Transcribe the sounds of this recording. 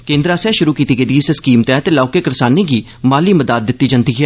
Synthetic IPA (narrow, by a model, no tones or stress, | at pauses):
kẽːnd̪ɾaːsɛːʃʊɾuːkiːt̪iːɡed̪iiseskiːmt̪ɛ̃ːt̪elaːkeːkəɾsaːneːɡiː | maːliːməd̪aːt̪̚d̪ɪt̪ːiːd͡ʒənt̪iːɦɛː